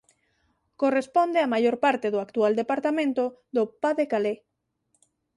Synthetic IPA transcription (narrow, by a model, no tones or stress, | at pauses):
korespond̪eamajoɾpaɾt̪eðoakt̪uald̪epaɾt̪amẽnt̪oðopaðekale